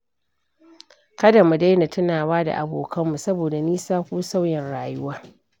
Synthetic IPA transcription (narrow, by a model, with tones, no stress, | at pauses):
kɐ˦da˨mu˨da˦jna˨tʊ˦naː˨waː˦da̰˨ʔa̰˨boː˨kʰɐ˦mːu˨sɐ˦boː˨da˨niː˦saː˦kʷuː˦sa˦wjɪ˨nɽaː˨jʊ˦waː˦